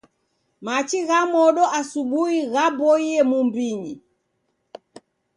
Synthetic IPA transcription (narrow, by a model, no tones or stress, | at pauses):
mat͡ʃiɣamɔɗɔʔasuɓuiɣabɔiɛmumbiɲḭ